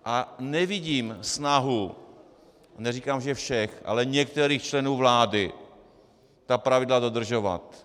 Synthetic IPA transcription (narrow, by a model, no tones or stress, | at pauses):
ʔanɛvɪɟiːmsnaɦu | nɛzikaːmʒɛfʃɛxʔa̰lɛɲɛk̚t̪ɛɾiːxt͡ʃlɛnuːvlaːdɪ | t̪apɾavɪdlado̞d̪r̩ʒova̰t̪